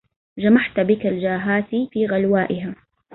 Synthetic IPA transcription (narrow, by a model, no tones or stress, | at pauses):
d͡ʒamaħt̪bɪkald͡ʒaːɦaːsifiːɣalwaːʔɪɦaː